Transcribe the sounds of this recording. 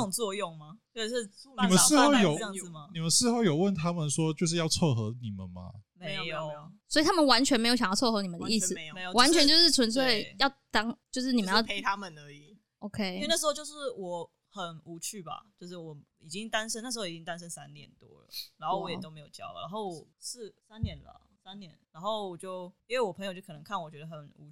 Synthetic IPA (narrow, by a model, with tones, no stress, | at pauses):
ʊ˨˩ŋt͡swɔ˥˧jʊ˥˩ŋma˩ | o˥˧˥ʂɻ̩˥˩ni˨mə˨nʂɻ̩˥o˥˩ʊjo˨˦˥ma˩ni˨˩mə˨˦nʂɻ̩˥˧xo˥˩ʊjo˨˩ʊwə˥˨nt̪ʰa˦˥mə˨nswɔ˦t͡ɕjo˥˧ʊʂ̬ɻ̩˥˧jɑ˥˧ʊt͡sʰɤ˥˩xɤ˧˥ni˨˩mə̰˨nma̰˨˩me˧˦o˨˩swɔ˧˥i˨˩t̪ʰa˥mə˨nwa˧˦nt͡ɕʰɥɛ˧nm˧˥jɕɑ̃˨jʊt͡sʰxɤ˧˥ni˨˩mə˨nd̪ə˦ʔi˥˩ss̩˨wa˧˦nt͡ɕʰɛ˧˦nt͡ɕo˥˧ʊʂɻ̩˥˩t͡sʰwə˧˦ns̬we˥˩ɪjɑ˥˩ʊt̪ɑ˥ŋt͡ɕjo˥˧ʊʂ̬ɻ̩˥˩ni˨˩ə˨˦jɑ˥ʊe˦t̪ʰa˦˥mə˨nə˧˦i˨˩ | ʔo˨˧ʊkʰe˥ɪ˥˧na˥˩ʂɻ̩˧xo˥˧t͡ɕjo˥˧ʊʂɻ̩˥˩wɔ˨˩ | xə˨˩nu˧˥t͡ɕʰy˥˩ba̰˨˩t͡ɕjo˥˧ʊʂɻ̩˥˩wɔ˨˩˦ | i˨˩t͡ɕi˦ŋt̪a˥˦nʂ̬ə˥n˥˩ʂ̩ɻ̩˧˥xo˥˩˨i˨˩t͡ɕi˦ŋt̪a˥nʂə˦nsa˦nt̪jɛ̰˨˩nt̪wɔ̰˦lə̰˨a˧˥nxo˥˩ʊwɔ˧˦jɛ˨˩t̪o˥me˧˥ɪjo˨˩ʊt͡ɕjɑ̰˥˦ʊ̰˩na̰˧˦nxo˥˩ʊwɔ˨˩s̩˥˨˩sa˦nnjɛ˧˦nlə̰˨ | sa˦nnjɛ˧˦nla˧˥nxo˥˩ʊwɔ˨˩t͡ɕjo˥˩ʊi˥nwe˥˩ɪwɔ˨˩pʰə˧˥jo˨t͡ɕjkʰnə˧˦kʰa˥˩nwɔ˨˩t͡ɕɥɛ˧˦d̪ə˧xə˨˩nṵ˧˥